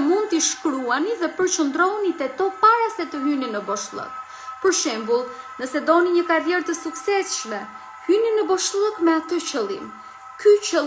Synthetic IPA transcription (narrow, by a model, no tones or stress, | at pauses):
mund̪̚t̪iʃkɾuaniðɛpəɾt͡ʃənd̪ɾɔnit̪ɛt̪ɔpaɾasɛt̪əɦyninəbɔʃlˠə̰k̚ | pəɾʃɛmbulˠnəsɛd̪ɔniɲəkaɾðjɛɾt̪əsuksɛsʃmɛ | hyninəbɔʃlˠəkmɛat̪ət͡ɕəlˠḭm | kyt͡ɕə